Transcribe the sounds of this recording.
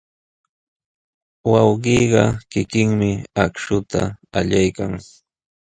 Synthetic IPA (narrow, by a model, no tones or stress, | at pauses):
wɑwɢiːɢɑkɪkɪŋmɪakʃʊt̪a̰aʎajkaŋ